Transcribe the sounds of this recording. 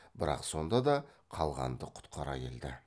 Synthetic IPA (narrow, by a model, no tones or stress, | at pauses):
bɪɾɑ̰qso̞nd̪ɑd̪ɑ | qʰɑlˠʁɑ̰nd̪əqʰʊ̥t̪qʰɑɾɑ̰kʲeld̪ɪ